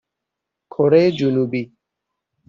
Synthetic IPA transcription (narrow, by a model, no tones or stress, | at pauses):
kʰoɾejed͡ʒunubi